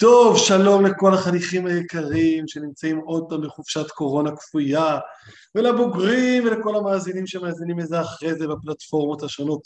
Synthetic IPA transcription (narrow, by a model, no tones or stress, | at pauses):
t̪o̞vʃalo̞mle̞ko̞laχaniχimhajekaʁimʃe̞nimt͡saimo̞d̚pamleχuv̥ʃatko̞ʁo̞nakfuja | velabuɡʁimveleko̞lamaːzinimʃemaːzinimezeaχʁezebaplatfo̞ʁmothaʃo̞no̞t